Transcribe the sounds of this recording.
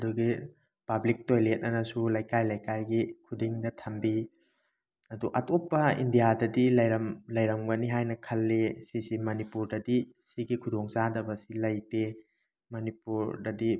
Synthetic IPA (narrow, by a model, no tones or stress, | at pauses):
ɐduɡi | pablik̚tojlet̚nɐnɐsulɐjkajlɐjkajɡikʰudiŋdɐtʰɐmbi | ɐduʔɐtʰopːɐḭndijadɐdilɐjɾɐmlɐjɾɐmɡɐniɦajnɐkʰɐlːesisimɐnipuɾdɐdisiɡikʰudoŋzadɐbɐsilɐjte | mɐnipuɾdɐdi